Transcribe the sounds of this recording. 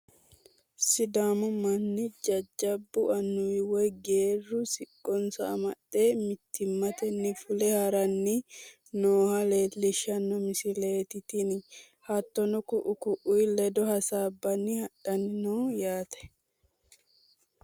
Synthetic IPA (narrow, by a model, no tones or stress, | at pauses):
sɪd̪aːmʊmɐnːɪd͡ʒɐd͡ʒːɐbːʊʔɐnːʊwɔjɡe̞ːrːʊsɪkʼːɔnsɐːmɐɗːe̞ːmɪt̪ːɪmːɐt̪ɛnːɪfʊlɛhɐɾɐnːɪ | noːhɐle̞ːlɪʃɐnːɔmɪsɪle̞ːt̪ɪt̪in | hɐt̪ːɔnɔkʊʔʊkʊʔʊjlɛd̪ɔhɐsaːbːɐnːɪhɐᶑɐnɪnɔːjaːt̪ɛ̥